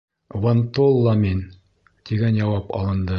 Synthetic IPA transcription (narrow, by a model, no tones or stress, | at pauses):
want̪olˠːɑmin | t̪iɡænjɑwɑpɑɒ̰lˠɤ̆nd̪ɤ